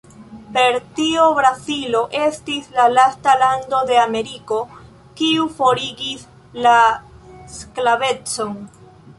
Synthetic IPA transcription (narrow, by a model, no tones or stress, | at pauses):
pe̞ɾtiobɾazilo̞ʔe̞stislalastalando̞de̞ame̞ɾiko̞ | kiufo̞ɾiɡis | la | sklave̞t͡so̞n